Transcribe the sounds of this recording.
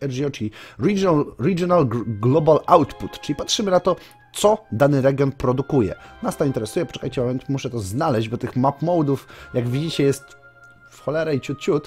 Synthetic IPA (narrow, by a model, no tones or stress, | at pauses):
ɛʐijɔt͡ʂkʲiɾilɾiɡjɔnalɡlɔbalawt̪put̪t͡ʂɘlʲipatʂɘmɘnat̪ɔ | t̪sɔd̪anɘɾɛɡʲjɔntpɾɔd̪ukujɛ̰nast̪ɔint̪ɛɾɛsujɛpɔ̥t͡ʂɛ̥kajt͡ɕɛmavɛnt̪muʂɛt̪ɔznalɛʑd͡ʑbɔt̪ɘxmapmɔwd̪ufjaɡvʲid͡ʑit͡ɕɛjɛst̪ | fxɔlɛɾɛit͡ɕut̪̚t͡ɕut̪